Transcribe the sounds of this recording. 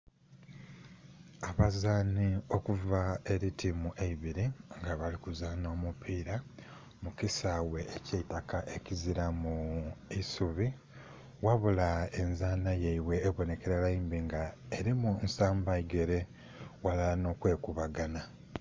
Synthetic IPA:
aβazaːnio̞kuvae̞ɾitʰimuʔeiβiɾiŋɡaβalikuzaːno̞ːmupʰiːɾa | mukisawe̞ʔːceitakaʔe̞ciziɾamuisuβi | waβulae̞nzaːnajeiwe̞ːβo̞ne̞ke̞ɾalaimbiŋɡaeɾimunsaːmbaiɡe̞ɾe̞ | walano̞ːkwe̞ːkuβaɡana

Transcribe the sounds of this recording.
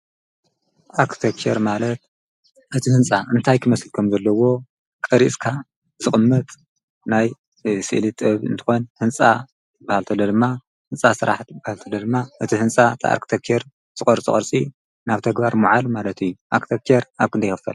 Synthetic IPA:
ʔaɾkt̪ʰekt͡ʃeɾmalɐt̪̚ | ʔɨt̪ʰihɨnt͡sʼaʔɨnt̪ʰajkʰɨmɐslkʰɐmzɐlːɐwo̞ | kʼɐɾisʼkʰa | zɨχʼɨmːɐt̪ʼ | naj | sɨ̰ʔlit̪ʼɨβɨ̰nt̪ʰɨ̥xo̞nhɨnt͡sʼa | bahalt̪ʰɐlːod̪ɨmːa | hɨnsʼasɨɾa̰ħbahalt̪ʰɐlːod̪ɨmːaʔɨt̪ʰihɨnt͡sʼat̪ʰa̰a̰ɾki̥t̪ʰekʰeɾ | z̥ɨkʼɐɾt͡sʼɨ̰ɐɾt͡sʼi | naβt̪ʰɐɡbaɾmuʕalmalɐt̪ʰɨjːuʔakt̪ʰekeɾaβkʰɨnd̪ɐjxɨfɐ̰l

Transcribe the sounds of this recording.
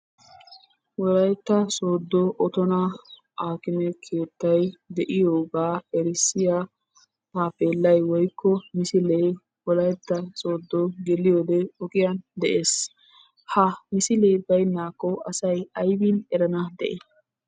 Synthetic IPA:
wɔlɐjɛt̪ːɐso̞ːd̪ːɔʔɔt̪ɔnɐ | ʔaːkɪnɛkʰe̞ːt̪ːɐjd̪ɛʔɪjoːɡaːɛɾɪsːɪja | aːpeːlːɐjwɔjkːɔmɪsɪle | wɔlɐjɛt̪ːɐsoːd̪ːɔɡɛlɪjoːd̪ɛɔkʼɪjɐnd̪ɛʔeːs | hɐmɪsɪleːbɐjnːaːkːɔɐsɐjɐjbinɛɾɐnɐd̪ɛʔe

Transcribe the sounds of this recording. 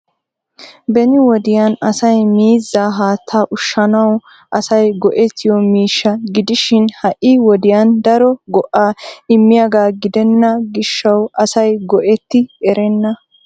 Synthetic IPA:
bɛnɪwɔd̪ɪjanɐsɐjmiːzːaːɦaːt̪ʰːaːʔʊʃːɐnɐw | ʔɐsɐjɡɔʔɛt̪ʰːɪjɔmiːʃːɐɡɪd̪ɪʃɪnhɐʔɪwɔd̪ɪjand̪ɐɾɔɡɔʔaːɪmːɪjaɡaːɡɪd̪ɛnːɐɡɪʃːɐwʔɐsɐjɡɔʔɛt̪ːɪɛɾɛnːɐ

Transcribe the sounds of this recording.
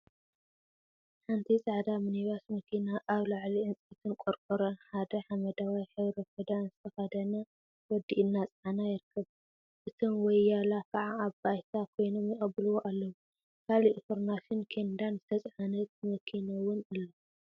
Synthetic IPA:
ħant̪ʰit͡sʼaʕd̪aminiβasmɐkʰinaʔaβlaʕliʔɨnt͡sʼit̪ʰɨnkʼoɾkʼoɾɐnħad̪ɐħamɐd̪awajħɨβɾɐfɐd̪anzɨt̪ʰɐxɐd̪ɐna | wɔd̪ːiʔɨnːat͡sʼʕanajɪɾkʰːɐβ | ʔɨt̪ʰɨnwɔjːalafaʕaːβbajt̪ʰakʰo̞jno̞mjɪxʼɐbɨlwoʔalːɐwu | kʰaliʔfoɾmaʃɪnkʰend̪anzɨt̪ʰɐt͡sʼʕanɐt̪̚mɐkʰinawʊnɨlːo

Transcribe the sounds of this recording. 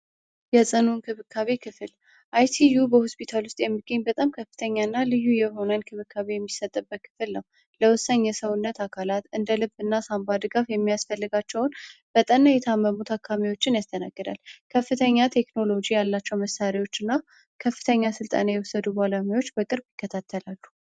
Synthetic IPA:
jɛsʼɨnunkʰɨβɨkʰːaβekʰɨfɨl | ʔajt̪ʰijubəhospʰit̪ʰalwʊst̪ʼjɛmːiɡːəɲːbət̪ʼamkʰəfːɨ̥t̪ʰəɲːanːalɨjːujɛɦo̞nənkʰɨβɨkʰːaβejɛmːisət̪ʼːəbːət̪̚kʰɨ̥fɨlnəw | ləwʊsaɲːɛsəwʊnːət̪ʰakʰalat̪ɨnd̪əlɨbɨnːasambad̪ɨɡafjɛmːijasfəlːɨɡat͡ʃːɛwʊnb̥ət̪ʼənːajɛt̪ʰəamːəmut̪ʰakːamiwo̞t͡ʃːɪnjast̪ʰəna̰ɡːɨd̪a̰lkʰəfːɨt̪ʰəɲːat̪ʰe̞kno̞lo̞d͡ʒijalːat͡ʃːɛwməsaɾiwo̞t͡ʃːɨnːa | kʰəfːɨt̪ʰəɲːasɨlt̪ʼə̰najɛwʊsəd̪ubalamiwo̞t͡ʃːbəkʼɨɾbjɪkːət̪ʰat̪ʰːəlalːu

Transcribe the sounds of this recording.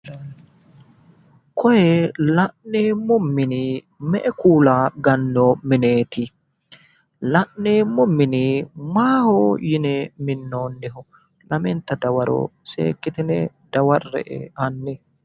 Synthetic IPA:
kʰɔjɛlɐʔneːmʊmːɪnɪ | mɛʔɛkuːlaːɡɐnːomɪneːt̪ɪ | lɐʔneːmʊmːɪnɪmaːhoːjɪnɛmɪnːoːnːɪɦʊ | lɐmɛnt̪ːɐd̪ɐwɐɾo̰ːsḛːkːɪt̪ɪnɛ | d̪̥ɐwɐrːɛ̰ʔɛ̰ɐnːɪ

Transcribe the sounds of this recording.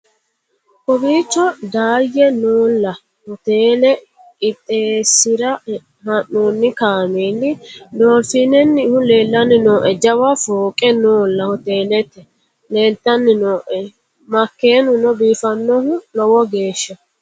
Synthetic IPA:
kɔbiːt͡ʃːɔd̪aːjːɛnoːlːɐ | hɔt̪eːlɛ | kʼɪt̪ʼːeːsːɪɾɐ | hɐnːuːnːɪkaːmeːnːɪd̪oːfiːnɛnːɪhʊleːlːɐnːɪnoːʔɛd͡ʒɐwɐfoːkʼɛnoːlːɐhɔt̪eːlɛt̪ːɛ | leːlt̪ːɐnːɪnoːʔɛ | mɐkːe̞ːnʊnɔbiːfɐnːɔhʊlɔwɔɡe̞ːʃːɐ

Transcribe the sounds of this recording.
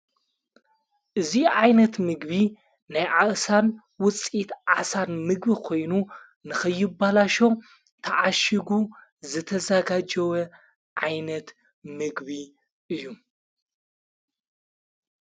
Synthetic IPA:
ʔɨziʕajnɐt̪mɨɡβi | najʕaʔsan | wʊt͡sʼit̪ʕa̰sanmɨɡbikʰo̞jnu | nɨxɐjːɪbːalaʃo̞ | t̪ʰɐʕaʃiɡuzɨt̪ʰɐzɐɡad͡ʒɐwɐ | ʕajnɐt̪ | mɨɡbi | ʔɨjːu

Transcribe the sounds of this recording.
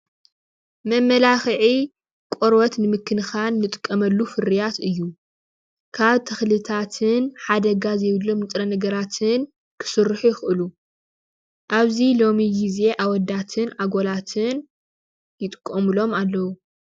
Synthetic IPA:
mɐmːɐlaxʕi | kʷʼoɾwɐt̪nɨmɨkʰːɨnxanːɨt̪ʼɨ̥kʼːɐmɐlːufɨɾijat̪ɨjːu | kʰaβt̪ʰɐxlɨt̪ʰat̪ʰɨnħad̪ɐɡazɐjβɨlːo̞mnɨt̪ʼɾɐnɐɡɐɾat̪ʰɨn | kʰɨ̥sɨrːħujɪxɨlu | ʔaβzilo̞miɡize̞ʔawɔd̪at̪ʰɨnʔaɡo̞lat̪ʰɨn | jɪt̪ʼɨ̥kʼːɐmɨlo̞malːɐwu

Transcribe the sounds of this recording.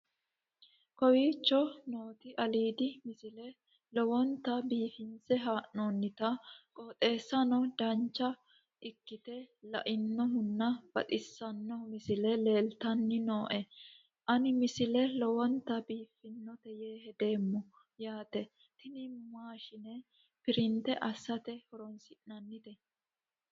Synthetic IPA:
kɔwiːt͡ʃːɔnoːt̪ɪʔɐliːd̪ɪmɪsɪlɛ | lɔwɔnt̪ːɐbiːfɪnt͡sɛɦaːʔnoːnːɪt̪ɐkʼoːt̪ʼe̞ːsːɐnɔd̪ɐnt͡ʃːɐ | ʔɪkːɪt̪ɛlɐ̰ʔɪnːɔɦʊnːɐb̥ɐ̰t̪ʼɪsːɐnːɔmɪsɪlɛle̞ːlt̪ɐnːɪnoːʔɛ | ʔɐnɪmɪsɪlɛlɔwɔnt̪ːɐbiːfɪnːɔt̪ɛjeːhɛd̪e̞ːmːɔ | jaːt̪ɛ | t̪ɪnɪmaːʃɪnɛ | pɪɾɪnt̪ɛʔɐsːɐt̪ɛhɔɾɔnsɪʔnɐnːɪt̪ɛ

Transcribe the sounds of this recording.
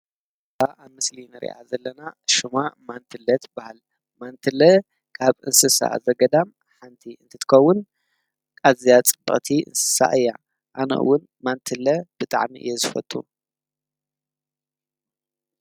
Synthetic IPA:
aʔamɨslinɨɾḭʔa̰zɐlːɐnaʃɨmamant̪ʰɨlːɐt̪bahal | mant̪ʰɨlɐ | kʰaβɨnsɨsa̰zɐɡɐd̪am | ħant̪ʰiʔɨnt̪ʰɐt̪ʰɨ̥kʰɐwːʊn | kʼazijat͡sʼɨbːɨ̰χʼt̪ʰiʔɨ̰nsɨ̥sa̰ʔɨjːa | ʔanɐ̰ʔɨ̰wːʊn | mant̪ʰɨlɐb̥ɨt̪ʼa̰ʕmḭʔɨ̰jːɛzɨfɐ̰t̪ʼṵ

